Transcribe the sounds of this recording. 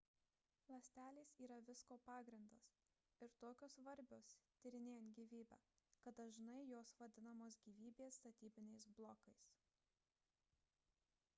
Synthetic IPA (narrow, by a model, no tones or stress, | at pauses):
lˠɐsʲt̪ʲæːlʲiːsiːɾɐʋʲɪskoːpɑːɡɾʲɪnd̪os | ɪɾt̪oːkʲoːsʋɐɾʲbʲoːst̪ʲɪɾʲɪnʲeːjnt̪ɡʲiːʋʲiːbʲæ̰ːkɐt̪̚d̪ɐʒnɐɪjoːsʋɐd̪ʲɪnɐmoːs̬ɡʲiːʋʲiːbʲeːst̪ɐt̪ʲiːbʲɪnʲɛɪsblˠɔːkɐɪs